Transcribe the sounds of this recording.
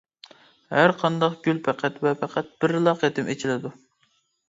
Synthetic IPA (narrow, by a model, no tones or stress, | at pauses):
hæɾqʰɑnd̪ɑqɡ̥ʲylpʰæqʰæt̪vɛpʰæqʰæt̪̚b̥ɪɾlˠɑqet̪ʰɪmʔet͡ʃʰilɪd̪u